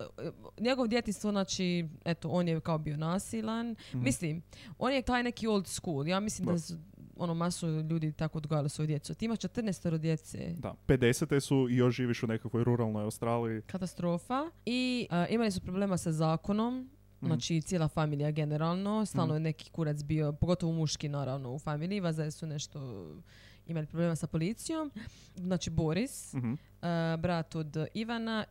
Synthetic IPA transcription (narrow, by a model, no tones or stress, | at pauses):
ɲe̞ɡoʋod̪je̞t̪inst̪ʋoznaːt͡ʃiet̪oʔo̞ːnjekaobijo̞naːsilanmislimoːnjet̪aːjnekiolˠd̪skuːljaːmislimd̪asonomasoʎuːd̪it̪akood̪ɡojalisojd̪je̞t̪suat̪iimaʃt͡ʃe̞t̪r̩neːst̪oɾod̪je̞t̪sḛd̪a̰ped̪eset̪esuijoʃʒiːʋiʃunekakʋojɾuɾalnojawst̪ɾaːliikat̪ast̪ɾo̞ːfaiʔimalisupɾoble̞ːmasazaːkono̞m | naːt͡ʃit̪sjelafamiːlijaɡe̞neɾalˠno̞st̪aːlˠnojeneki̥kuɾat̪sbio̞poɡo̞t̪oʋoumuʃkinaːɾaʋno̞ufamiːliʋazalisune̞ʃt̪o̞ | imalipɾobleːmasapo̞lit̪sijo̞m | znaːt͡ʃiboɾis | bɾat̪od̪iʋana